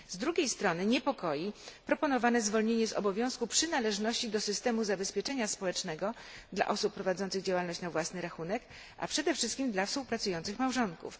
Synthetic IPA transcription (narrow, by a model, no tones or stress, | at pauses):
zd̪ɾuɡʲejst̪ɾɔnɘɲɛpɔkɔjipɾɔpɔnɔvanɛzvɔlɲeɲɛzɔ̰bɔvʲjɔ̃w̃skupʂɘnalɛʐnɔɕt͡ɕid̪ɔsɘst̪ɛmuzabɛspʲjɛt͡ʂɛɲaspɔwɛt͡ʂnɛɡɔd̪la̰ʔɔsupːɾɔvad̪zɔnt̪sɘɣd͡ʑawalnɔɕt͡ɕnavwasnɘɾaxunɛk | ʔa̰pʂɛd̪ɛfʂɘst̪̚kʲimd̪lafspuwpɾat̪sujɔnt̪sɘxmawʐɔŋkṵf